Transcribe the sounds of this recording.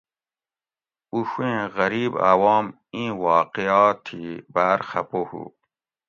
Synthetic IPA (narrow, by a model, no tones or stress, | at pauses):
uɕuẽɣɐɾiːba̰waːm | ĩːwɑːqiaːt̪ʰibaːɾxɐpohṵ